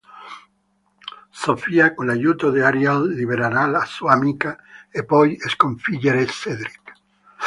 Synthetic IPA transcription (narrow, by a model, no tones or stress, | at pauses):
sofiakonlajuːt̪od̪eaɾjalːiβeɾanalasuamikaepːɔjeskoɱfiʎeɾesed̪ɾik